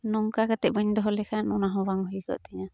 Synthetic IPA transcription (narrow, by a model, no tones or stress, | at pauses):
nɔŋkakat̪ɛbəɲd̪ɔɦɔlɛkʰanɔnaɦɔ̃baŋhujkɔ̰ʔt̪ɛɲa